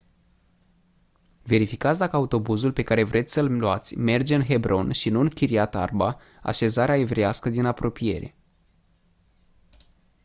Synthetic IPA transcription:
ve̞ɾifikat̪sʲd̪akəaut̪o̞buzulpe̞kaɾe̞vɾʔe̞t̪sʲsəlluat̪sʲme̞rd͡ʒeɨnɦe̞bɾʔo̞nʃinuɨŋkʲiɾiat̪a̰rba | a̰ʃe̞zaɾeaevɾejaskəd̪inapɾo̞pije̞̰ɾe̞

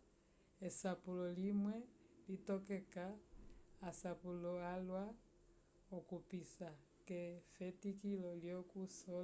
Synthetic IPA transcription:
esapulɔlimwɛlitɔkɛkaː | sapulɔalwa | ɔkupisa | kɛfɛtikilɔljɔkusɔ

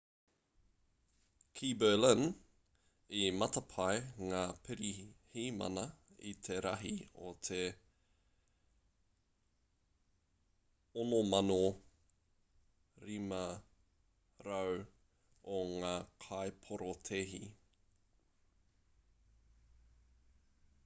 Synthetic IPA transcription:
kʰiːbələn | imɐt̪ɐpʰɐjŋaːpʰɪɾihiːmɐ̰nɐit̪ʰeɾɐɦio̰t̪ʰe | onomɐno | ɾimɐ | ɾɐw | oŋaːkʰaepʰoɾot̪ʰeɦi

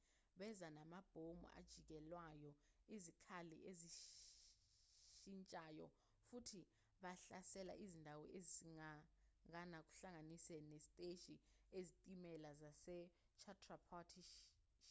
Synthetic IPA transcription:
ɓɛzanamab̥ʱomṵʔa̰d̥ʒ̥ʱik̬ɛlwajɔ | izikʰalḭʔeziʃ | ʃint͡ʃʼajɔ | futʰi | ɓaɬasɛla̰ʔizindʱawɔ̰ʔeziiŋaŋanak̬ʼu̥ɬaŋanisɛnesitʼeʃʼiezitʼimɛlazasɛ | t͡ʃʰatʰʼrapʰɔtʰiʃ | ʃ

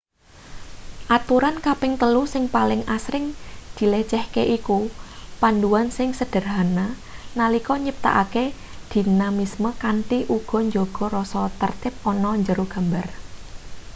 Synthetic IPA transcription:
ʔat̪uɾankapɪŋt̪əlusɪŋpalɪŋasɾɪŋd̪̥i̤let͡ʃɛhkeʔikupanduwansɪŋsəd̥ə̤rɦananalikɔɲəp̚t̪a̰ʔake | d̪̥i̤namisməkant̪iʔuɡ̥ɔ̤ɲd͡ʒoɡ̥ɔ̤ɾɔsɔt̪ərt̪ɪp̚ɔnɔɲd͡ʒəɾuɡ̥a̤mbar

